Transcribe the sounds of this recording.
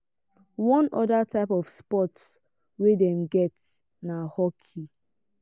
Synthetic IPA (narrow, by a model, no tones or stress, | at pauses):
wɔ̃nɔdatʰaɪpɔfspɔts | wedɛ̃mɡɛt | nahɔkʰi